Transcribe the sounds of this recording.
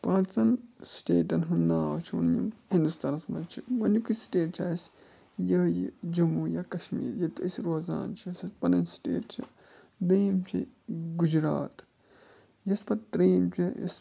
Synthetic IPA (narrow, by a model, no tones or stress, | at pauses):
pãːt͡sɐnsʈeːʈɐnɦunːaːwt͡ʃʰiunjḭmhind̪ust̪anɐsmɐ̰t͡ʃʰiwɐnikʰisʈeːʈ̚t͡ʃʰaːs | jɐjid͡ʒumuːjɐkɐʃmḭːɾjɐt̪uisʲɾoːza̰ːnt͡ʃʰisɐpɐnɐnsʈḛːʈt͡ʃʰi | d̪ejmt͡ʃʰḭɡud͡ʒɾa̰ːt̪ | jɐspɐt̪ɾiːmt͡ʃʲʰijɐ̰s